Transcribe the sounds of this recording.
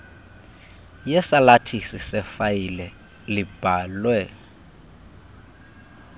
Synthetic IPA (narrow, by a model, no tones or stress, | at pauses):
jɛsalatʰisɪsɛfajilɛ | lɪb̥ʱaːlwɛ